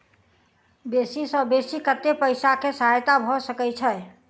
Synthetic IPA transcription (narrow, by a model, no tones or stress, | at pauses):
besisəbesikət̪ːepəɪsakesəɦajt̪abʱɔsəkɛt͡ʃʰɛ